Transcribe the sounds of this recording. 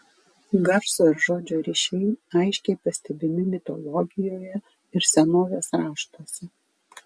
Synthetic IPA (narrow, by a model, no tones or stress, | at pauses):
ɡɐfsoɾʒoːd͡ʒʲoːɾʲiːʃʲɛɪɐɪʃʲkʲɛɪpɐsʲt̪ʲɛbʲɪmʲɪmʲɪt̪ɔ̰lˠɔɡʲɪjoːjɛ | ɪɾsʲɛnoːʋʲeːsɾɑːʃt̪oːsʲɛ